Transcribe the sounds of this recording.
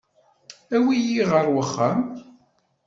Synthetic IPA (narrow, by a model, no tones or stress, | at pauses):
æwijiʁəɾˤwəχːam